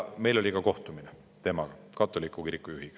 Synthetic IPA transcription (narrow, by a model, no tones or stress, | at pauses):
me̞jlo̞lʲikɑko̞ht̪umine | t̪e̞ːmɑɡ̥ɑ | kɑt̪ːˑolikːˑukiɾikːˑujuhiɡ̥ɑ̥